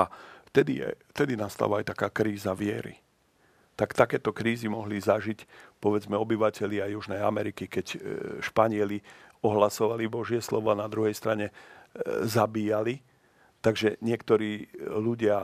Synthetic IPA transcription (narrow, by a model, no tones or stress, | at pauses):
aft̪ɛd̪ijɛ̰ft̪ɛd̪inast̪a̰ːʋaajt̪akaːkɾiːzaʋɪɛɾḭ | t̪akt̪akɛːt̪ɔkɾiːzimɔɦlizaʒicpɔʋɛd͡zmɛɔbiʋacɛʎɪaajuʒnɛja̰mɛɾikikɛcʃpaɲɪɛliɔɦlasɔʋalibɔʒɪɛslɔ̰ʋɔanad̪ɾuɦɛjst̪ɾaɲɛ | zabiːjali | t̪aɡʒɛɲɪɛkt̪ɔɾiːluɟɪa